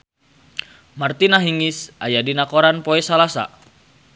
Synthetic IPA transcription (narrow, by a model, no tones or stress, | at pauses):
mart̪inaɦiŋisajadinakoɾanpoɛsalasa̰